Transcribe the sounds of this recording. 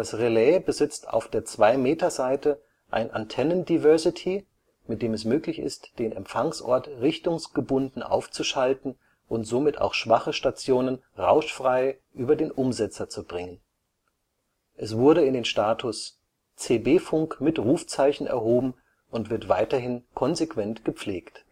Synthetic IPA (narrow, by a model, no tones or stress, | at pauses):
d̥asʁelɛːbəzɪt͡stʰa̰ʊfd̥eːɐt͡sv̥aɪmeːtɐzaɪtə | ʔa̰ɪnʔa̰ntʰɛnəndivœɐsɪtʰi | mɪt̚d̥eːmɛsmøːklɪçɪ̰std̥eːnʔɛ̰mpfaŋsʔɔ̰ɐtʁɪçtʊŋsɡ̥əbʊndn̩ʔa̰ʊft͡suʃaltn̩ | ʔʊntz̥oːmɪta̰ʊxʃv̥aχəʃtat͡sjoːnənʁa̰ʊʃfʁ̥aɪʔyːbɐdeːnʔʊmzɛt͡sɐt͡subʁɪŋən | ʔɛsv̥ʊɐɾəɪndeːnʃtaːtʰʊs | t͡seːbeːfʊŋkmɪtʁuːft͡saɪçn̩ʔɛ̰ɐɦoːbm̩ | ʔʊntv̥ɪɐtv̥aɪtɐɦɪnkʰɔnzekv̥ɛntɡ̥əp͡fleːkt